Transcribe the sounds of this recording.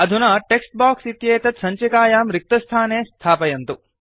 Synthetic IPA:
ɐd̪ʱunaːʈeksʈ̚baːksit̪jeːt̪ɐt̪sɐɲt͡ʃikaːjaːmɾik̚t̪ɐst̪ʰaːneːst̪ʰaːpɐjɐnt̪u

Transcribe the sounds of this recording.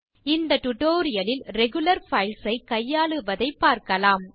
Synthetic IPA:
ɪnd̪ɐʈʊʈoːɾɪjɐlɪlɾɛɣɯlɐɾfɐɪlsɐɪkɐjːaːɭɯʋɐðɐɪpːaːɾkɐlaːm

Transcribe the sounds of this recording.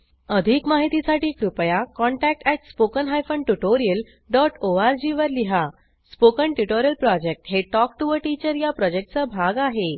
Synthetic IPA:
əd̪ʱikmaɦit̪isaʈiːkɾupjakɔɳʈæk̚ʈɛʈspokənɦajfəɳʈuʈoɾijəl | ɖɔʈoaɾd͡ʑiʋəɾliɦa | spokəɳʈuʈoɾjəlpɾɔd͡ʑek̚ʈɦeʈɔk̚ʈuʋəɾʈit͡ɕəɾjapɾɔd͡ʑek̚ʈ̚t͡səbʱaɡaɦe

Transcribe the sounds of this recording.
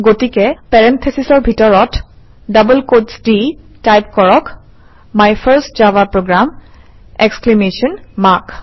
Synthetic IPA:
ɡotikɛpɛɹɛntʰesisɔɹbʱitɔɹɔt | dabulkosdi | tajp̚kɔɹɔk | majpʰəɹstd͡ʒavapɹoɡɹam | ɛksklemesɔnmak

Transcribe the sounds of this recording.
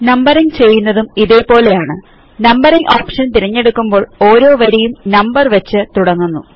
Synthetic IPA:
nɐmbɐriŋt͡ɕe̞jːunːɐðumiðe̞ːpo̞ːlejaːɳɨ | nɐmbɐɾiŋʔoːpʂɐnt̪iɾɐɲːe̞ɽukːumbo̞ːɭo̞ːɾo̞ːʋɐɾijumnɐmbɐrʋɐt͡ɕːɨt̪uɽɐŋːunːu

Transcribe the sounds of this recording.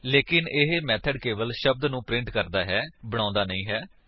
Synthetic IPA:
leːkɪnɪɦmɛːt̪ʰəɖkeːʋəlʃəb̚d̪nũːpɾɪ̃ɳʈkəɾd̪aːɦɛːbəɽ̃ãːnd̪aːnəĩːɦɛː

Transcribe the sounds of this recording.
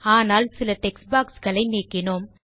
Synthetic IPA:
aːnaːlsɪlɐʈɛksbaːksɣɐɭɐɪneːkːɪnom

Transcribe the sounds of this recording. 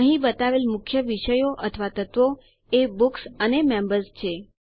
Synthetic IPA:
əɦĩbət̪aʋelmʊkʰjəʋiʃəjoʔət̪ʰəʋat̪ət̪ʋo | ebuksənemẽmbəɾzt͡ʃʰe

